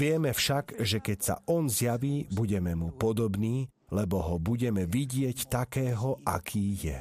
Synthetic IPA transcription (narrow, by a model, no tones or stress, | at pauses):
ʋɪɛmɛfʃaɡ̥ʒɛkɛcsa̰ɔnzjaʋiːbuɟɛmɛmupɔd̪ɔbniː | lɛbɔɦɔbuɟɛmɛʋiɟɪɛct̪akɛːɦɔʔa̰kʰiːjɛ̰